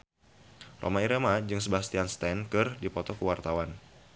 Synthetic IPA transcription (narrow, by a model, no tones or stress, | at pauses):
rʔo̰maiɾemad͡ʒɨŋsəbast̪ianst̪ɛnkɨrdipɔt̪ɔkəwart̪awan